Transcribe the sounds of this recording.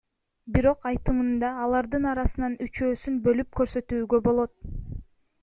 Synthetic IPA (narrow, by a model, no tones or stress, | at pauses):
biɾo̞qɑjt̪ɯmɯnd̪ɑːlˠɑɾd̪ɯnɑɾɑsɯnɑnyt͡ʃø̞ːsynbø̞lyp̚kø̞ɾsø̞t̪yːɡø̞bo̞lˠo̞t̪̚